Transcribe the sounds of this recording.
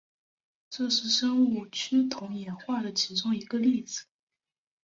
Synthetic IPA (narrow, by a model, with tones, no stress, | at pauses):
ʈ͡ʂɤ˥˧ʂɻ̩˥˩ʂɤ˥ŋu˥˩t͡ɕʰy˥t̪ʰʊ˧˥ŋjɛ˨˥nxwa˥˩d̪ə˩t͡ɕʰi˧˥ʈ͡ʂʊ˥ŋi˧˥ɡə˧li˥˩d͡zɹ̩˨˩˦